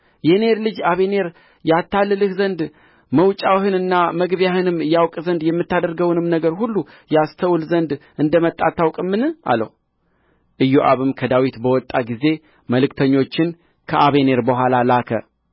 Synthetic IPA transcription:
jɛne̞ɾlɨd͡ʒaβe̞ne̞ɾ | jat̪ʰːalːɨlɨhzənd̪ | məwt͡ʃʼawhɨnɨnːaməɡβjahɨnɨmɨjːawkʼzənd̪jɛmːɨt̪ːad̪əɾɡəwnɨmnəɡəɾhulːu | jast̪ʰəwlzənd̪ʔɨnd̪əmət̪ʼːat̪ʰːawkʼɨmːɨnɨʔa̰lːə̰h | ʔɨjːuʔa̰βɨmkʰəd̪awit̪bəwɔt̪ʼːaɡize̞ | məlɨkt̪ʰəɲːo̞t͡ʃːɪn | kʰəʔaβe̞ne̞ɾbəɦʷalalakʰə̰

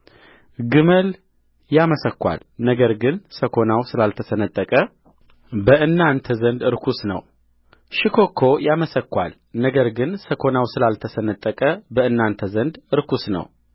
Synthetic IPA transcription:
ɡɨməl | jaməsəkːʷa̰l | nəɡəɾɡɨnsəkʰo̞nawsɨlalt̪ʰəsənət̪ʼːəkʼə | bəʔɨnːant̪ʰəzənd̪ɨɾkʰusnə̰w | ʃɪkʰo̞kʰo̞jaməsəkːʷa̰l | nəɡəɾɡɨnsəkʰo̞nawsɨlalt̪ʰəsənət̪ʼːəkʼəbəɨnːant̪ʰəzənd̪ɨɾkʰusnə̰w

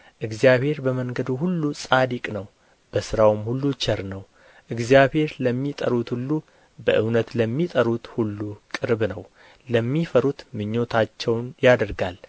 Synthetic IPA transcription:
ʔɨɡzjaβhe̞ɾbəməŋɡəd̪uhulːusʼad̪ikʼnəw | b̥əsɨɾawmhulːut͡ʃʰɛɾnəw | ʔɨɡzjabhe̞ɾləmːit̪ʼə̰ɾut̪hulːu | bəʔɨwnət̪ləmːit̪ʼəɾut̪hulːukʼɨɾbnəw | ləmːifəɾut̪mɨɲːo̞t̪ʰat͡ʃːɛwnjad̪əɾɡal

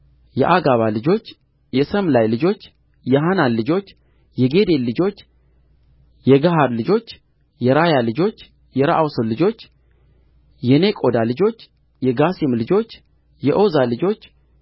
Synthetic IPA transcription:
jɛ̰ʔaɡaβalɨd͡ʒo̞t͡ʃː | jɛsəmlajlɨd͡ʒo̞t͡ʃː | jɛɦananlɨd͡ʒo̞t͡ʃː | jɛɡe̞d̪e̞lɨd͡ʒo̞t͡ʃː | jɛɡaɦaɾlɨd͡ʒo̞t͡ʃː | jɛɾajalɨd͡ʒo̞t͡ʃː | jɛɾaʔawsəllɨd͡ʒo̞t͡ʃː | jɛnekʼo̞d̪alɨd͡ʒo̞t͡ʃː | jɛɡasimlɨd͡ʒo̞t͡ʃː | jɛʔo̞zalɨd͡ʒo̞t͡ʃː

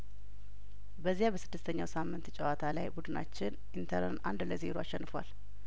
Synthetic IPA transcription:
bəzːijabəsɨd̪ːɨst̪ʰəɲːawsamːɨnt̪t͡ʃʼəwat̪ʰalajbud̪ɨna̰t͡ʃːɪnʔint̪ʰəɾə̰na̰nd̪ləzeɾoaʃːɛnːɨfwa̰l

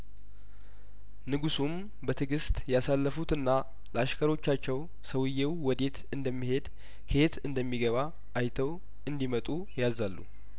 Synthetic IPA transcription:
nɨɡusum | bət̪ʰɨɡɨst̪ʼjasalːəfut̪ɨnːa | ləaʃkʰəɾo̞t͡ʃːat͡ʃːɛw | səwɨjːewwɔd̪e̞t̪ʰɨnd̪əmːihe̞d̪ | kʰet̪ʰɨnd̪əmːiɡəβa | ʔːjt̪ʰəw | ɨnd̪imət̪ʼu | jazalːṵ

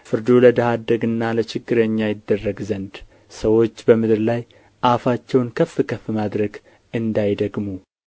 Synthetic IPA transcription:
fɨɾd̪oləd̪əhad̪əɡɨnːalət͡ʃɪɡːɨɾəɲːajɪd̪ːərːəɡzənd̪ | səwo̞t͡ʃːbəmɨd̪ɾlaj | ʔafat͡ʃːɛwnkʰəfːɨkʰəfːɨmad̪ɾəɡ | ɨnd̪ajd̪əɡmu

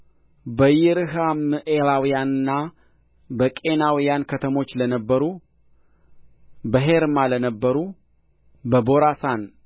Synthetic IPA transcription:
bəjɪɾɨɦamɨʔeɾawjanɨnːa | bəkʼe̞nawijankʰət̪ʰəmo̞t͡ʃːlənəbːəɾu | bəɦeɾmalənəbːəɾu | bəbo̞ɾasan

